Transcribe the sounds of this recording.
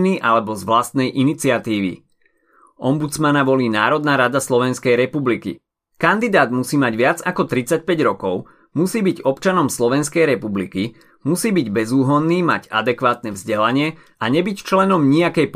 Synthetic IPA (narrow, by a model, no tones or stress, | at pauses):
niːʔalɛbɔzʋlast̪̚nɛjʔinit͡sɪat̪iːʋḭ | ʔɔmbut͡smanaʋɔliːnaːɾɔd̪naɾad̪aslɔʋɛnskɛjɾɛpublikḭ | kand̪id̪aːd̪musiːmaɟʋɪad͡zakɔt̪ɾit͡sac̚pɛɟɾɔkɔʊ | musiːbiɟɔpt͡ʃanɔmslɔʋɛnskɛjɾɛpublḭki | musiːbiɟbɛzuːɦɔnːiːma̰ɟa̰d̪ɛkʋaːt̪nɛvzɟɛlaɲɪɛ | aɲɛbict͡ʃlɛnɔmɲiakɛjp